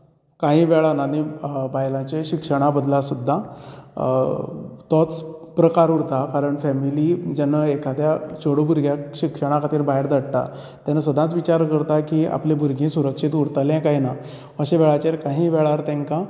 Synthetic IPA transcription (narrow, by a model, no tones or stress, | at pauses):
kaɦĩʋɛɭananibajlãt͡ɕeɕikʂəɽ̃abəd̪lasud̪ʱːa | t̪ɔt͡spɾəkaɾuɽt̪akaɾəɳfɛmilid͡ʑanːəekad̪jat͡ɕoɽobʱuɾɡʱjaɕikʂəɽ̃ãkʰat̪iːɾbaɦeɾd̪ʱəɽt̪a̰ | t̪janasəd̪ʱãt͡sʋit͡ɕaɾkəɾt̪akiːa̰plẽbʱuɾɡʱẽsuɾəkʂit̪uɽt̪əljɛ̃kaɦina | əɕeʋɛɭat͡ɕeɾkaɦĩːʋɛɭaɾt̪ẽŋka